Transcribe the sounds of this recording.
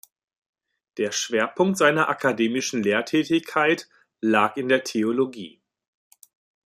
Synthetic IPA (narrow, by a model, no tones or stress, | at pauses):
d̥eːɐʃv̥eːɐpʰʊŋk̚tz̥aɪnɐʔakʰadeːmɪʃn̩leːɐtʰɛːtɪçkʰaɪt | laːkɪndeːɐtʰeoloɡḭː